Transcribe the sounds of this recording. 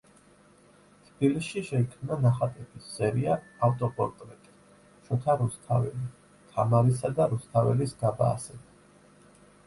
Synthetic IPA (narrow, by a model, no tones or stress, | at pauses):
t̪ʰb̥ilisʃiʃɛikʰmnanaχat̪ʼɛpʰisːɛɾiaːft̪ʼɔpʼɔɾt̪ʼɾɛt̪ʼi̥ | ʃɔt̪ʰaɾust̪ʰavɛ̰li | t̪ʰamaɾisad̪aɾust̪ʰavɛlisɡaba̰ːsɛba